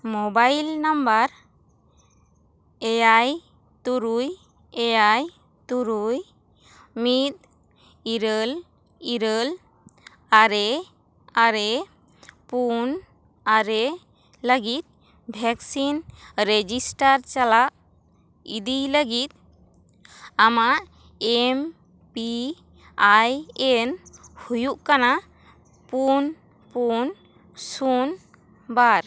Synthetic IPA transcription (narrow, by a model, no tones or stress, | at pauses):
mobajlnambaɾ | ɛjaj | t̪uɾuj | ɛjaj | t̪uɾuj | mit̪̚ | iɾəl | iɾəl | aɾe | aɾe | pun | aɾe | ləɡit̪̚ | bʱɛksinɾed͡ʒisʈaɾt͡ʃalaʔ | id̪iləɡit̪̚ | amaʔ | em | pi | ajɛnhujuʔkana | pun | pun | sun | baɾ